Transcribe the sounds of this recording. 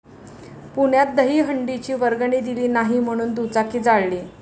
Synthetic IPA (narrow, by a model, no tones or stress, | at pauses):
puɳjat̪̚d̪əɦiːɦəɳɖit͡ɕiːʋəɾɡɳiːd̪iliːnaɦiːm̤əɽ̃uːnd̪ut͡sakiːd͡zaɭliː